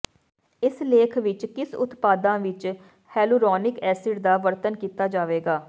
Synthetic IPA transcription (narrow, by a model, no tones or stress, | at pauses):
ɪsleːkʰʋɪt͡ʃkɪsʊ̰t̪paːd̪ãːʋɪt͡ʃ | hɛːluːɾɔːnɪkɛːsɪʈd̪aːʋəɾt̪ənkiːt̪aːd͡ʒaːʋeːɡaː